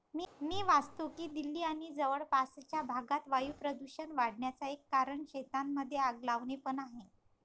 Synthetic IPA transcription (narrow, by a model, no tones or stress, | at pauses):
mmiːʋast̪okiːd̪ilːiːaɽ̃id͡zəʋəɭpast͡ɕjabʱaɡat̪ʋajupɾəd̪uɕənʋaɽɳjat͡saekːaɾəɳɕet̪amːəd̪ʱːjeaɡlaʋɳepəɳaɦe